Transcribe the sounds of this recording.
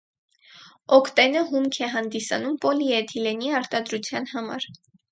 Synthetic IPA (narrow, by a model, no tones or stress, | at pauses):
ɔkʰt̪ɛnəɦumkʰɛɦɑnd̪isɑ̰numpɔliɛt̪ʰilɛniɑɾt̪ɑd̪ɾut͡sʰjɑnhɑmɑ̰ɾ